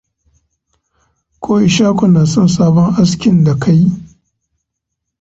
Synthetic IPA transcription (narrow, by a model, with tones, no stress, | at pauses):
kʷʰoː˦ʔɪ˨ʃaː˦kʷʊ˨naː˨sɔ˦nsaː˦bɔ˦ŋʔa˦skʲɪ˨nda˨kʰa˦ji˦